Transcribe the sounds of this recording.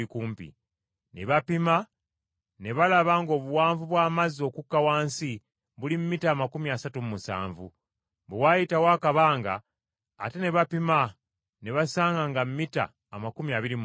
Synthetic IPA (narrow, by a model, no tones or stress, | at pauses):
ikuːmpḭ | neβapima | ne̞βalaβaŋɡo̞ːβuwaːɱvuβwaːmazo̞kukːawaːnsi | βulimumitaːmakumiasatummusa̰ːɱvṵ | βewajitawaːkaβaːŋɡa̰ː | te̞ne̞βapima | ne̞βasaːŋɡaŋɡamːita̰ːmakumiaβiɾim